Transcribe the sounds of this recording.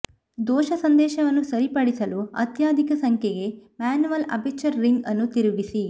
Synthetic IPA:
d̪ɔːʃɐsɐnd̪ɛːʃɐʋɐnːusɐɾipɐɽisɐluɐ̰t̪jaːd̪ʱikɐsɐŋkʰjɛɡe̞maːnuʋɐlɐ̰bet͡ʃɐɾːiŋɡɐnːut̪iɾuɡisi

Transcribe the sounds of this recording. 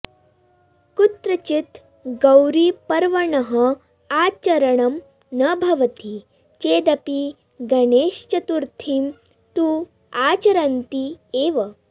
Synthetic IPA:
kut̪ɾɐt͡ʃit̪ | ɡɐwɾipɐɾʋɐɳɐɦɐ | aːt͡ʃɐɾɐɳɐm | nɐbʱɐʋɐt̪i | t͡ʃeːd̪ɐpi | ɡɐɳeːʃt͡ʃɐt̪uɾt̪ʰim | t̪uː | aːt͡ʃɐɾɐnt̪ieːʋɐ

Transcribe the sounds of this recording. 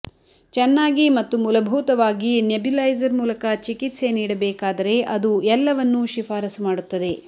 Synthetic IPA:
t͡ʃɛnːaːɡimɐt̪ːumulɐbʱuːt̪ɐʋaːɡinjebilɐjd͡ʒɐɾmuːlɐkɐt͡ʃikit̪se̞niːɽɐbɛːkaːd̪ɐɾe̞ʔɐd̪uɛlːɐʋɐnːuʃifaːɾɐsumaːɽut̪ːɐd̪e̞

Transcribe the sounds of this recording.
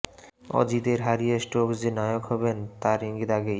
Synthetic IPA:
ɔ̰d͡ʑid̪eɾɦaɾijesʈokd͡ʑenajokɦɔbent̪aɾiŋɡid̪aɡej

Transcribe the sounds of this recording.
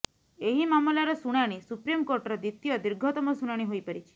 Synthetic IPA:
eɦimamɔlaɾɔsuɽ̃aɽ̃isupɾimkoɾʈɔɾɔd̪it̪ːijɔd̪iɾɡʱɔt̪ɔmɔsuɽ̃aɽ̃iɦojpaɾit͡ʃʰi̥

